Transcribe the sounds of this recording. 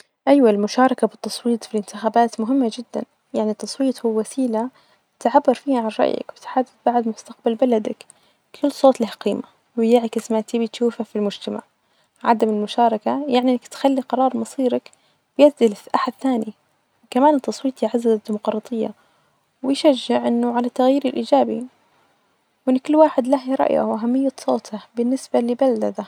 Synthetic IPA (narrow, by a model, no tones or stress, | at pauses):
ʔajwalmʊʃɑːɾˤɑkabɪt̪ːɑsˤwiːt̪ˤfilɪnt̪ɪxaːbaːt̪mʊɦɪmːad͡ʒɪd̪ːa̰n | jaʕnit̪ːɑsˤwiːt̪ˤhuwːwasiːla | t̪ʕabːɑɾˤfiːhaʕanɾˤɑ̰ʔja̰kbɪt̪ħad̪ːɪθbaʕd̪mʊst̪aq̚balbalad̪ak | kʰɪlːsˤoːt̪ˤlɪhaqiːma | wjaːʕakɪsmat̪iːbit̪ʃuːfafilmʊd͡ʒt̪ama̰ʕ | ʕa̰d̪amɪlmʊʃɑːɾˤɑkajaʕniʔɪnːakt̪xalːiqɑɾˤɑːɾˤmɑsˤiːɾak | b̥jazɪlɪʔaħad̪θaːni | kamaːnt̪ːɑsˤwiːt̪ˤjʕazːazad̪iːmʊqɾˤɑːt̪ˤɨjːa̰ | wɪjʃad͡ʒːɪʕʔɪnːʊʕalat̪ːaɣjiːɾɪlʔiːd͡ʒaːbḭ | wʔɪnːʊkɪlːwaːħɪd̪lahjɾˤɑ̰ʔja̰wʔaɦamːɪjːasˤoːt̪abɪnːɪsbalɪbald̪ad̪a